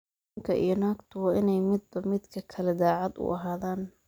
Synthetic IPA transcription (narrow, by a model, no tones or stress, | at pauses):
ŋkʰɐʔḭjɞnaːɡt̪ʰʊwɑːʔɪnɛjmɪd̪̚bɐmɪd̪kʰɐkʰɐlɛd̪aːʕɑd̪ʊ̰ʔɐɦaːðaːn